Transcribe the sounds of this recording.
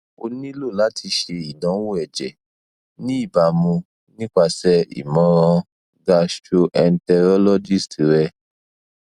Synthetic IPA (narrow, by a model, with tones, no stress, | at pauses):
o̰˧nĩ˦lo˦˨la˨˦tʰi˧ʃe˧i˨dɔ̃˨˦wu˦ɛ˨d͡ʒɛ̰˨ | nĩ˦i˦˨ba˨mũ˧ | nĩ˦k͡pa˧sɛ˦ḭ˨mɔ̃˨˦ɾã˧ | ɡa˧ʃʃo˧ʔɛ˧n̩˦tɛ˧ɾɔ˦lɔ˦d͡ʒi˦˨stɾɛ˧